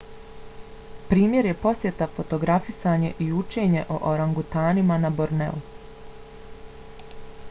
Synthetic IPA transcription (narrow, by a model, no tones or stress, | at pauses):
pɾiːmje̞ɾje̞po̞sje̞t̪afo̞t̪o̞ɡɾafisaːɲe̞ʔiut͡ʃe̞ːɲe̞ʔo̰ʔoɾaŋɡut̪aːnimanaboɾnḛu